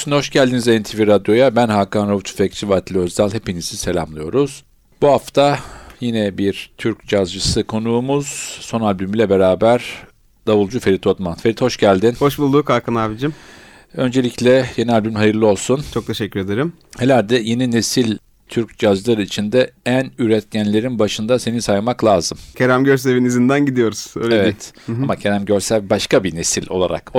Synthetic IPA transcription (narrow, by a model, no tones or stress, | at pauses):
synho̞ʃɟælʲd̪inizeint̪ʰiviɾad̪jo̞jabænɦaːkanɾavut͡ʃʰu̥fɛct͡ʃʰivat̪lʲøzd̪alʲˠhe̞pinizise̞lʲa̰mlˠɯjo̞̰ɾuz̥ | b̥uɦaft̪ʰajinɛbiɾt̪ʰyɾc̚d͡ʒazd͡ʒɯsɯkʰo̞nuːmuz̥so̞nalʲbymilʲɛbe̞ɾaːbæɾ̥ | d̪avulˠd͡ʒufe̞ɾit̪ʰo̞t̪manfe̞ɾit̪ho̞ʃɟælʲd̪inho̞ʃbulˠd̪ukʰakʰɯnabid͡ʒim | ø̞nd͡ʒeiclʲɛje̞nialʲbymɦajɯɾlˠɯo̞lˠsunt͡ʃʰo̞k̚t̪ʰe̞ʃɛcʲːyɾed̪eɾim | he̞lʲæɾd̪ɛje̞nine̞silʲ | t̪ʰyɾc̚d͡ʒazlˠaɾɯit͡ʃʰind̪ɛænyɾɛt̪cænlʲe̞ɾinbaʃɯnd̪ase̞ninsajmaklˠaːzɯmcʰeɾæmɟø̞ɾs̬e̞vinizind̪ænɟid̪ijo̞ɾuz̥øːjlevɛamacʰeɾæmɟø̞ɾsælbaʃkabine̞silʲo̞̰lˠa̰ɾa̰k